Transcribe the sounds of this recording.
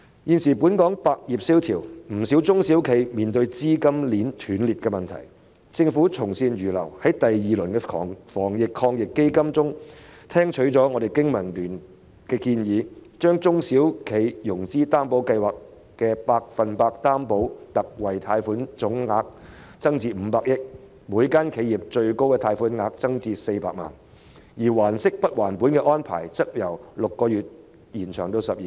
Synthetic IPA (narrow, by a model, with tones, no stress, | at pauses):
jiː˨nsiː˨˩puː˨˥nkɔː˨˥ŋpaː˧k̚jiː˨p̚siː˥wt̪ʰiː˨˩wm̩˨˩siː˨˥wt͡sʊ˥ŋsi˨˥wkʰe˨˧jmiː˨nt̪ɵ˧ɥt͡siː˥kɐ˥mliː˨˥nt̪ʰyː˨˧˥nliː˨t̚kɛː˧mɐ˨nt̪ʰɐ̰˨˩j | t͡sɪ˧ŋfuː˨˥t͡sʰʊ˨˩ŋsiː˧nɥyː˨˩lɐ̰˨˩whɐ˨˥jt̪ɐ˨jjiː˨lɵ˨˩nkɛ˧ɔ̰ː˨ŋfɔː˨˩ŋjɪ˨kʰɔː˧ŋjɪ˨kːe˥jkɐ˥mt͡sʊ˥ŋt̪ʰɛː˥ŋt͡ʃʰɵ˨˥ɥt͡sɔː˨˥ŋɔː˨˧ɾe˨jkɪ˥ŋmɐ˨˩nlyː˨˩n | kɛː˧kiː˧njiː˨˧t͡ʃœː˥ŋt͡sʊ˥ŋsiː˨˥wkʰe˨˧jjʊ˨˩ŋt͡siː˥t̪aː˥mpo˨˥wkɐ˧jwaː˨k | kɛː˧paː˧k̚fɐ˨npaː˧k̚t̪aː˥mpo˨˥wt̪ɐ˨k̚wɐ˨jt̪ʰaː˧jfuː˨˥nt͡sʊ˨˥ŋŋaː˧k̚t͡sɐ˥ŋt͡siː˧m̩˨˧˦paː˧k̚jɪ˥k̚ | muː˨˥jkaː˥nkʰe˨˧jiː˨p̚t͡ʃɵ˧ɥko˥wkɛː˧t̪ʰaː˧jfuː˨˥nŋaː˧k̚t͡sɐ˥ŋt͡siː˧se˧jpaː˧k̚ma̰ː˨˩n | jiː˨˩waː˨˩nsɪ˥k̚pɐ˥t̚waː˨˩npu˨˥nkɛː˧ʔɔː˥npʰa̰ː˨˩jt͡sɐ˥k̚jɐ˨˩wlʊ˨kːɔː˧jyː˨t̚ | jiː˨˩nt͡ʃʰœː˨˩ŋt̪o˧wsɐ˨p̚jiː˨